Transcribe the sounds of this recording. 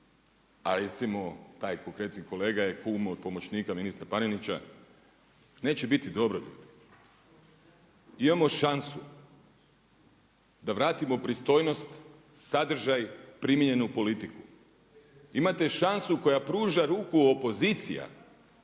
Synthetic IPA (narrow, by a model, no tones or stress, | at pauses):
aɾet̪simo̞t̪aːjko̞ŋkɾe̞t̪niko̞le̞ːɡajekuːmod̪̚po̞mo̞t͡ɕniːkaminist̪ɾapanenit͡ɕa̰ | ne̞ːt͡ɕebit̪id̪o̞bɾoʎṵːd̪i | imamo̞ʃansu | d̪aʋɾaːt̪imo̞pɾist̪o̞jno̞st̪ | sad̪r̩ʒajpɾimjiɲe̞nupo̞lit̪iku | imat̪e̞ʃansuko̞japɾuːʒaɾuːkuopo̞zit̪sḭja̰